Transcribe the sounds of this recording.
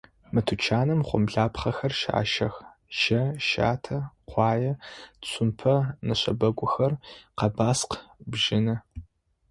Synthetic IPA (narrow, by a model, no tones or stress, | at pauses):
mɨtʰʊt͡ʃʰaːnɨmχʷʊ̰mɮaːpχɐxɐrʃa̰ːʃɐx | ʒ̥ɐʃa̰ːtʰɐqʷɑːjɐɕʰʷʊmpʰɐnɨɕɐ̰bɐɡʷʊxɐrqɐbaːsqbʒɪnɐ